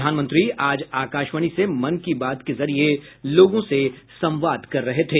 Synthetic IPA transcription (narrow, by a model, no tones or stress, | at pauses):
d̪ʱaːnmə̃nt̪ɾiaːd͡ʒaːkaːʃʋəɽ̃isemɐnkibaːt̪kezɐɾieloːɡõsesɐ̃mʋaːd̪ʱkɐɾːɐɦet̪ʰeː